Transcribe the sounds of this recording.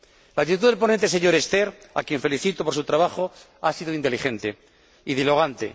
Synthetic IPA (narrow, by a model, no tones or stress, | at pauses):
laɣt̪it̪̬uðelpo̞nent̪ese̞ɲo̞ɾe̞st̪e̞ɾa̰kjeɱfe̞liθit̪opo̞ɾs̬ut̪ɾaβaχo̞ | asiðoint̪elixe̞nt̪e̞ | iðilo̞ɣant̪e̞̰